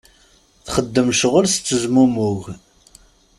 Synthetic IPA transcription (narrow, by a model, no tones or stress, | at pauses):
θχəd̪ːəmʃʁəlst͡sːəzmumuʝ